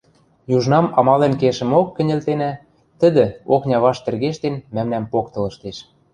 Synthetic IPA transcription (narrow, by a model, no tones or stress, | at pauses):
juʒnɑmɑmɑlenkeʃə̆mokːɘ̆nʲĕlt̪enæ | t̪ə̆d̪ə̆oknʲɑβɑʃt̪ĕrɣeʃt̪enmæmnæmpok̚t̪ɤ̆lɤ̆ʃt̪eʃ